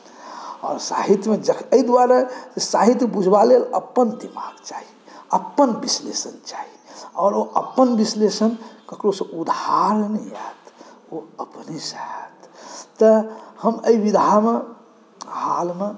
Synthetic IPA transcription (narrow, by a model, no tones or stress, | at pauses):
ɔ̰ːɾsa̰ɦit̪jmed͡ʒəkʰəid̪waɾasesaɦit̪jbud͡ʒʱbalelə̰pːənd̪imaɡt͡ʃaɦi | əpːənbislesənt͡ʃaɦiɔːɾoʔəpːənbislesənkəkɾosə̃ʔud̪haɾnɛat̪ | oəpnesaɦət̪t̪əhəməibid̪ʱame | halme